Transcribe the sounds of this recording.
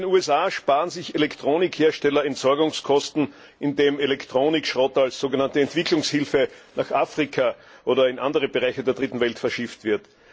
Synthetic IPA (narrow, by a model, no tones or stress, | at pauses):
enuːɛsaːʃpaːʁənzɪçelɛktʁ̥oːnɪkheːɐʃtɛlɐɛntz̥ɔɐɡʊŋskʰɔstn̩ | ɪndeːmelɛktʁ̥oːnɪkʃʁɔtalsz̥oːɡənantəɛntv̥ɪklʊŋshɪlfənaχʔaːfʁ̥ikʰa | ʔoːdɐɪnʔa̰ndəʁəbeʁaɪçədeːɐd̥ʁitn̩vɛltfɛɐʃɪftv̥ɪɐt